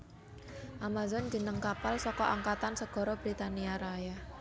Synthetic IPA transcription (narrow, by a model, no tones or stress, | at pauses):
ʔamazɔnd͡ʒ̥ə̤nəŋkapalsɔkɔʔaŋkat̪ansəɡ̥ɔ̤ɾɔb̥ɾit̪aniaɾaja